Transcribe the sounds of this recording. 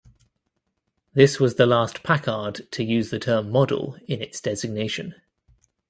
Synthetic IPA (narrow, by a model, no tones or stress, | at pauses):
ðɪswɒzðəlɑˑspʰakʰɑːd̥tʰəjʉːzðətʰɜːmːɒdə̰lˠɪ̃nɪtsd̥ɛzɪɡ̚neɪʃə̃n